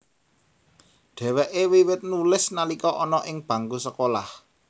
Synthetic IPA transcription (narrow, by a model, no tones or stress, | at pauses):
ɖ̪̥ɛ̤wɛʔewiwɪt̪̚nulɪsnalikɔʔɔnɔʔɪŋb̥ä̤ŋɡusəkolah